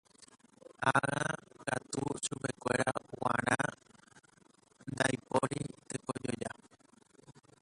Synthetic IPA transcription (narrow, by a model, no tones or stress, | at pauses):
aɣakat̪uʃupe̞kʷe̞ɾawãɾ̃ã | nd̪ajpoɾit̪eko̞d͡ʒo̞d͡ʒa